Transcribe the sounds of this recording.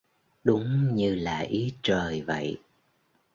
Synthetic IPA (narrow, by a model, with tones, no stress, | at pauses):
ɗʊ˨˦ŋ͡mɲɨ˧laː˨˩ʔi˨˦t͡ɕəː˨˩jvə̰˧˨j